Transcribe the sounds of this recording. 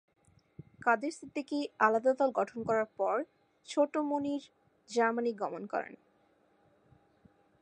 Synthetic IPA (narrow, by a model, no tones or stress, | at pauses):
kad̪eɾsɾit̪ːikealad̪ad̪ɔlɡɔʈʰonkɔɾaɾpɔɾ | t͡ɕʰoʈomoniɾ | d͡ʑaɾmaniɡɔmonkɔ̰ɾḛn